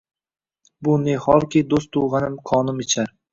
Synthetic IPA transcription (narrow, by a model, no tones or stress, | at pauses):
bʊnehɒɾkʲid̪ost̪ʰuʁɑnɪmqʰɒːnɪmɪt͡ʃʰaɾ